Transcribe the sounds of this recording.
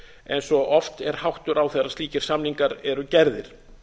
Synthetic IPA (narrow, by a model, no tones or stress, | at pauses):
ɛjnsɔʔɔft̪ɛɾ̥hawht̪ʏɾawθɛðɾast̪iːcɪɾ̥samniŋkaɾɛɾʏcɛɾðɪɾ̥